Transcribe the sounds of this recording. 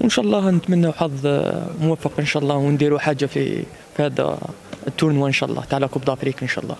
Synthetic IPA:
wʔənʃæʔɑlˤːɑhnət̪mænːawħɑðˤmʊwæfːəqʔənʃæʔlˤːɑwnd̪iɾuħad͡ʒːafḭ | fihæd̪æ̰ | t̪ːuɾnwaʔənʃæ̰ʔlˤːʔɑ̰ht̪aʕlækubd̪ˤɑfɾikʔənʃæ̰ʔlˤːɑ̰

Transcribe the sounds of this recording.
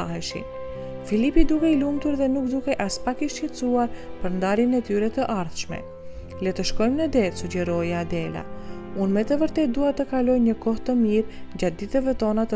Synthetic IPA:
aɦɛʃḭn | filipid̪ukɛilumt̪uɾðɛnuk̚d̪ukɛʔaspakiʃɛt͡suaɾpəɾnd̪aɾjənɛt̪yɾɛt̪əʔaɾθʃmɛ̰ | lɛt̪əʃkɔjmnəd̪ɛt̪suɟɛɾɔjad̪ɛla̰ | unmɛt̪əvəɾt̪ɛt̪̚d̪uat̪əkalɔjɲəkɔht̪əmiɾɲd͡ʑat̪̚d̪it̪əvɛt̪ɔnat̪ə

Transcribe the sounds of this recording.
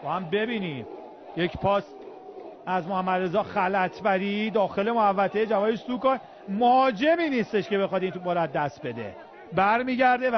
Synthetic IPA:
bɒːhæmbe̞biːniːm | je̞cʰpʰɒːs | æzmohæmːæd̪ɾe̞zɒːxælæt̪ʰbæɾid̪ɒːxe̞lemoævːæt̪ʰejed͡ʒævɒːjeʃsukɒː | mohɒːd͡ʒe̞miːniːst̪e̞ʃce̞be̞xɒːd̪iːnt̪ubɒːɾæd̪̚ːæst̪̚be̞d̪ḛ | bæɾmiːɟæɾd̪e

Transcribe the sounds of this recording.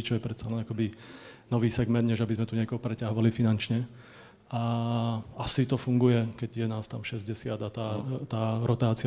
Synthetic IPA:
t͡ʃɔjɛpɾɛt̪salɛnakɔbinɔʋiːsɛɡmɛnd̪̚ɲɛʒabizmɛt̪uɲɪɛkɔɦɔpɾɛcaɦɔʋalifinant͡ʃɲɛ | a | asit̪ɔfuŋɡujɛkɛɟjɛnaːst̪amʃɛzɟɛsɪad̪at̪aːt̪aːɾɔt̪aːt͡si

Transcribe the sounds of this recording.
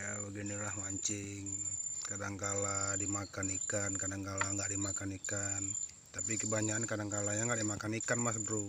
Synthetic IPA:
jabəɡinilahmaɲt͡ʃɪŋkadaŋkaladimakanikankadaŋkalaŋɡaʔdimakanikan | t̪apikəbaɲaːnkadaŋkalaɲaŋɡaʔdimakanikanmas̬dəɾu

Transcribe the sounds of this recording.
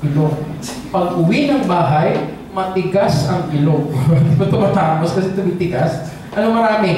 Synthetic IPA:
ɡɪloɡ | pɐɡʊwinɐŋbaːɦaj | mɐt̪ɪɡasɐŋɡɪloɡd̪ɪbɐt̪ʊmɐt̪aːposkɐsɛt̪ʊbit̪ɪɡas | ʔɐnoŋmɐɾaːmɪ

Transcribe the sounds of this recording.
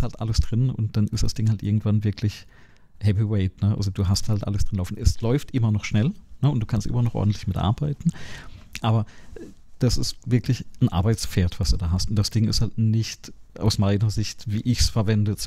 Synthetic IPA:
sthaltʔa̰ləsd̥ʁɪnʊ̰nt̚d̥anɪstd̥asd̥ɪŋhaltʔɪ̰ɐɡŋ̩tv̥anvɪɐkʰlɪç | hɛviweɪtnəʔa̰lzod̥uːɦasthaltʔa̰ləsd̥ʁɪnlaʊfn̩ʔɛslɔʏftʔɪmɐnɔχʃnɛlnəʊnt̚d̥uːkʰanstʔɪ̰mɐnɔχʔɔ̰ɐdn̩tlɪçmɪtʔa̰ɐbaɪtn̩ʔaːbɐ | d̥asɪstvɪɐkʰlɪçn̩ʔa̰ɐbaɪt͡sfeːɐtv̥asd̥uːdaːɦastʊntd̥asd̥ɪŋɪ̰sthaltnɪçtʔa̰ʊsmaɪnɐzɪçtviːʔɪçsfɛɐvɛndət͡s

